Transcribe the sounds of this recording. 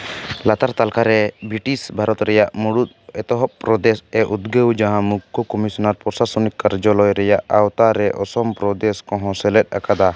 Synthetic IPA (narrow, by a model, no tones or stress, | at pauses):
lat̪aɾt̪alkaɾɛbɾiʈisbʱaɾɔt̪ɾɛjaʔmuɽut̪̚ɛt̪ɔɦɔʔ̚pɾɔd̪ɛsɛʔud̪ɡəwd͡ʒaɦãmukʰːukɔmisɔnaɾpɔɾsasunikːaɾd͡ʒɔlɔjɾɛjaʔawt̪aɾɛʔɔsɔmpɾɔd̪ɛskɔ̃ɦɔ̃sɛlɛt̪̚ˀa̰kad̪a